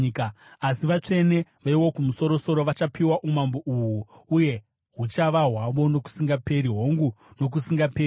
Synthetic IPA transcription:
kaasiʋat͡ʂe̞ne̞ʋaiwo̞kumuso̞ɾo̞so̞ɾo̞ʋat͡ʃapiwaʔumamboʔuwuuje̞ | ɦut͡ʃaʋaɦwaʋo̞no̞ku̥siŋɡape̞ɾiɦo̞ŋɡuno̞k̬usiŋɡape

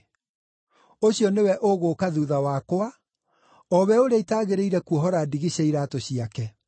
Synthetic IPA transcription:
oɕiɔnewɛʔoɣokaðuːðawakoa | ɔβɛoɾeaitaːɣeɾeiɾɛkuɔɦɔɾadiɣiɕeiɾatoɕiakɛ

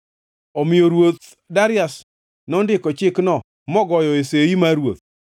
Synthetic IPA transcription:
omɪoɾwot̪ | daɾɪas | nɔndɪkɔt͡ʃɪknɔ | mɔɡɔjɔeseimaɾwo̰t̪̚

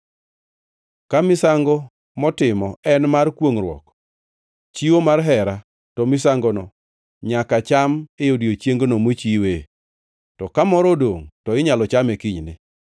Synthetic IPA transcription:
kamɪsaŋɡɔ | mɔtɪmɔɛnmarkwoŋrwɔ̰k | t͡ʃiwomarɦɛɾa | tɔmɪs̬aŋɡɔnɔ | ɲakat͡ʃamejodiot͡ʃjeŋɡonomot͡ʃiwe | tɔkamɔɾɔdoŋtɔɪɲalɔt͡ʃamekiɲnɪ̰

